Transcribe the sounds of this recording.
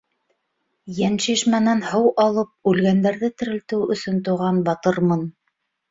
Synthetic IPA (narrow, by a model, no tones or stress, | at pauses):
jænʃiʃmænænhɤwʔɑlˠɤp̚ʉlɡænd̪æɾðɘt̪ɘ̆ɾɘ̆lt̪ɘwɵ̆sɵnt̪ŏʁɑnbɑt̪ɤɾmɤn